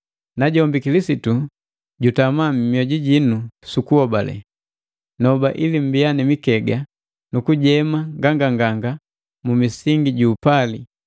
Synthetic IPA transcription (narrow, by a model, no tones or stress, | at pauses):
naɟɔmbikilisitu | ɟutamammjɔɟiɟinusukuhɔbalɛ̰ | nɔbaʔilim̩bijanimikɛɡa | nukuɟɛmaŋɡaŋɡaŋɡaŋɡa | mumisiŋɡiɟuːpali